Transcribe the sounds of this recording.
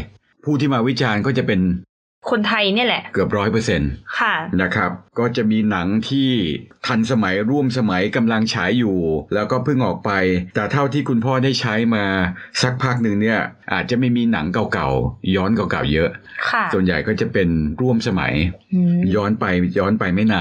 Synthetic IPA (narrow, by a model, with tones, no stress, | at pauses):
pʰuː˥˩t̪ʰiː˥˩maː˧wi˦˥t͡ɕaː˧nkɔː˥˩t͡ɕa˨˩pe˧n | kʰo˧nt̪ʰa˧jni˥˩ɐlɛ˨˩ʔkɯ˨˩əp̬̚ɾɔː˦˥jpɤː˧se˧nkʰa˥˩na˥˩kʰɾa˦˥p̚kɔː˥˩t͡ɕa˨˩miː˧na˩˦ŋt̪ʰiː˥˩t̪ʰa˧nsa˧ma˩˦jɾu˥˩əmsa˧ma˩˦jka˧mla˧ŋt͡ɕʰaː˩˦˥jːuː˨˩lɛː˦˥wkɔː˥˩pʰɯ˥˩ŋʔɔː˨˩k̚pa˧jt̪ɛː˨˩t̪ʰa˥˩wt̪ʰiː˥˩kʰu˧npʰɔː˥˩da˥˩jt͡ɕʰa˦˥jmaː˧sa˦˥k̚pʰaː˦˥˩k̚nɯ˨˧ŋni˥˩ɐʔaː˨˩t̪̚t͡ɕa˨˩ʔma˥˩jmiː˧na̰˩˦ŋka˨˧wka˨˩wjɔː˦˥nka˧wka̰˨˩wjɤ˦˥ʔʔkʰa˥˩su˨˩ənja̰˨˩jkɔː˥˩t͡ɕa˨˩pe˧nɾu˥˩əmsa˧ma̰˩˦jjɔː˦˥npa˧jjɔː˦˥npa˧jma˥˩jnaː˧˩